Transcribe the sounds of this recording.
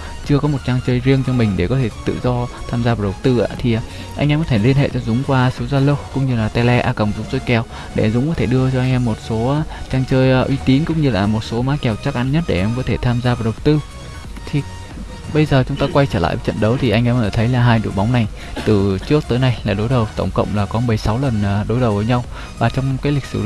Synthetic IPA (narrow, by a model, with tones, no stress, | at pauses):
t͡ɕɨ˧əkɔ˨˦mo˨˩t̚t͡ɕaː˧ŋt͡ɕəː˧jzi˧əŋt͡ɕɔ˧ŋ͡mmï˨˩ŋ̟ɗe˧˩kɔ˨˦t̪ʰe˧˩t̪ɨ̰˧˨zɔ˧t̪ʰaː˧mzaː˧va˨˩ɗə˨˩wk͡p̚t̪ɨ˧ʔa̰ː˧˥t̪ʰi˨˩ʔa˨˩ | ʔa˧jŋ̟ʔɛ˧mkɔ˨˦t̪ʰe˧˩li˧ənɦḛ˧˨t͡ɕɔ˧zʊ˨˦ŋ͡mkwaː˧so˨˦zaː˧lə˧wkʊ̰˧˥ŋ͡mɲɨ˧laː˨˩t̪ɛ˧lɛ˧ʔaː˧kə˨˩wŋ͡mzʊ˨˦ŋ͡mzo˧jkɛ˨˩w | ɗe˧˩zʊ˨˦ŋ͡mkɔ˨˦t̪ʰe˧˩ɗɨ˧ət͡ɕɔ˧ʔa˧ŋ̟ʔɛ˧mːo˨˩t̚so˨˦a˨˦t͡ɕaː˧ŋt͡ɕəː˧jʔːʔwi˧t̪i˨˦nkʊ̰˧˥ŋ͡mɲɨ˧laː˨˩mo˨˩t̚so˨˦maː˨˦kɛ˨˩wt͡ɕa˦˥k̚ʔa˧nɲə˦˥t̚ɗe˧˩ʔɛ˧mkɔ˨˦t̪ʰe˧˩t̪ʰaː˧mzaː˧vaː˨˩ɗə˨˩wt̪ɨ˧ | t̪ʰi˨˩ | ɓə˧jzəː˨˩t͡ɕʊ˨˦ŋ͡mt̪aː˧kwa˧jt͡ɕəː˧˩l̰a̰ː˧˨jvə˨˦jt͡ɕə̰˧˨nɗə˨˦wt̪ʰi˨˩ʔa˧jŋ̟ʔɛː˧mʔəː˧˩t̪ʰə˨˦jlaː˨˩ɦaː˧jɗṵ˧˩˨ɓa˨˦wŋ͡mna˨˩j | t̪ɨ˨˩t͡ɕɨ˦˥ək̚t̪əː˨˦jna˧jlaː˨˩ɗo˨˦jɗə˨˩wt̪ə˧˩wŋ͡mkə̰˧˨wŋ͡mlaː˨˩kɔ˨˦mɨ˨˩jsa˨˦wlə˨˩nː˨˩ɗo˨˦jɗə˨˩wvəː˨˦jɲa˧w | vaː˨˩t͡ɕɔ˧wŋ͡mkaː˨˦jlï˨˩k̟̚sɨ̰˧˩